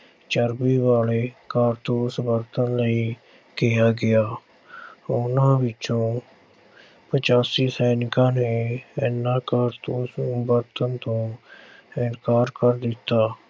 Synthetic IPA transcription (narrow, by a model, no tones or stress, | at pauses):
t͡ʃəɾbiːʋaːleːkaːɾt̪õːsəbəɾt̪ənləiː | kɪaːɡɪaː | ʊnãːʋɪt͡ʃõː | pət͡ʃaːsiːsɛːnɪkãːneːɛnːãːkaːɾt̪ũːsbəɾt̪ənt̪õː | ɪnkaːɾkəɾd̪ɪt̪ːaː